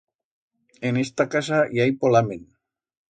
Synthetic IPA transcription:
enest̪akasajajpolamen

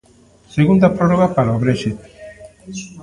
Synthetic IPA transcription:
seɣund̪apɾorɔɣapaɾaoβɾeʃit̪

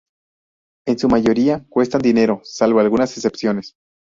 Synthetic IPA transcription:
e̞nsumaʝo̞ɾiakwe̞st̪and̪ine̞ɾo̞salβo̞alɣunasese̞psjo̞ne̞s

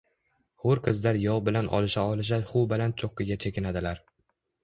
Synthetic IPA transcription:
hoɾqʰɨzd̪aɾjɒwbɪlanʔɒ̰lˠɪʃaɒlˠɪʃ̬aχʊwbalant̪̚t͡ʃʰoqːɨɡʲat͡ʃʰekʲɪnad̪ɪlaɾ

